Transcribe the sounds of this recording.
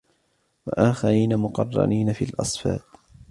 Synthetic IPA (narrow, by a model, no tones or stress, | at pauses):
waʔaːxaɾiːnamʊqɑ̰rˤːɑ̰niːnafiːlʔɑsˤfɑ̰ːt̪